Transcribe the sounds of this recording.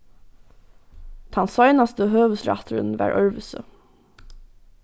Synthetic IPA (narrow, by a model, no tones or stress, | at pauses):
t̪ʰɑnsɑɪnɑst̪əhøːʋəsɹɑ̰t̪ʰəɹə̰nʋæ̰ːɹʔœɹʋəsə̰